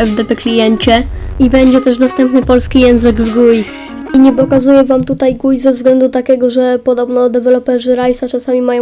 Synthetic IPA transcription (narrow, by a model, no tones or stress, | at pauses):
ɛvd̪ɛpɛklʲijɛɲt͡ɕɛibɛɲd͡ʑɛt̪ɛʐd̪ɔst̪ɛmpnɘpɔlskʲijɛw̃zɘɡvɡuj | iɲɛpɔkazujɛvamt̪ut̪ajɡujzɛvzɡlɛnd̪ut̪akʲɛɡɔʐɛpɔd̪ɔbnɔd̪ɛvɛlɔpɛʐɘɾajsat͡ʂasamʲimajɔ̃